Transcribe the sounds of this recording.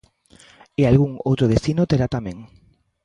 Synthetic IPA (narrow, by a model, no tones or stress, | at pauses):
ealɣuŋowt̪ɾoð̞est̪inot̪eɾat̪amẽŋ